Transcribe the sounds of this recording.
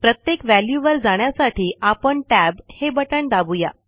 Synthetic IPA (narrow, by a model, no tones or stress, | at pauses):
pɾət̪jekʋæljuʋəɾd͡zaɽ̃jasaʈʰiːapəɳʈæbhebəʈəɳd̪abuja̰